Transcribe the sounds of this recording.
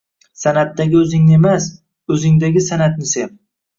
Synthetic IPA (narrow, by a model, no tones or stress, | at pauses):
sanat̪ːaɡʲɪɵzɪŋnɪemas | ɵzɪŋd̪aɡʲɪsanat̪nɪsep